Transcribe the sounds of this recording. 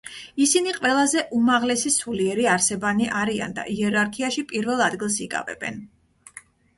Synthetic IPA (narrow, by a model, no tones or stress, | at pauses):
isiniqʼwɛlˠazɛʔumaʁlɛsisuliɛɾiaɾsɛbaniʔaɾia̰nd̪a̰ʔiɛɾaɾkʰiaʃipʼiɾvɛlˠad̪ɡilˠs̬ikʼa̰vɛ̰bɛ̰n